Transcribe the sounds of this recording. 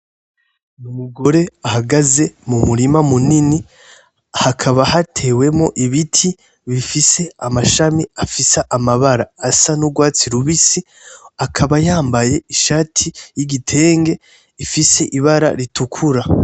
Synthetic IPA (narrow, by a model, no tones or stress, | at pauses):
numuɡo̞ɾeahaɡaze̞mumuɾimamunini | hakʰaβahatʰe̞we̞mo̞ʔiβitʰi | βifise̞amaʃamiafisaʔamaβaɾaːsanuɡwaːt͡siɾuβisi | akʰaβajaːmbaje̞iʃaːtʰijiɡitʰe̞ːŋɡe̞ | ifise̞ʔiβaɾa̰ɾitʰukʰuɾa